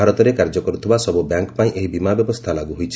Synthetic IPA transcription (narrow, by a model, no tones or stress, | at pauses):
aɾɔt̪ɔɾekaɾd͡ʒɔkɔɾut̪ʰibasɔbubjaŋkpaĩʔeɦibimabjɔbɔst̪ʰalaɡuɦojt͡ʃʰ